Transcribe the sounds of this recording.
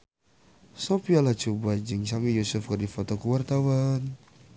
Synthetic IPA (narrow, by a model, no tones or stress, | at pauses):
sopialat͡ʃubad͡ʒəŋsamijusufkərdifot̪ɔkəwart̪awan